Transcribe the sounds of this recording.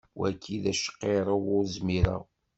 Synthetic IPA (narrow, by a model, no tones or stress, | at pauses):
wækʰːiðæʃə̥qːeɾˤəwʊɾzmiɾa̰